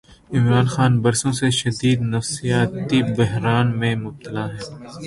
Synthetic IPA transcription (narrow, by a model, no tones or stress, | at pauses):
ɪmɾaːnxaːnbɐɾsõseʃɐd̪iːd̪nɐfsijaːt̪ibɐɦɾaːnmẽmʊb̚t̪ɐlaːɦɛː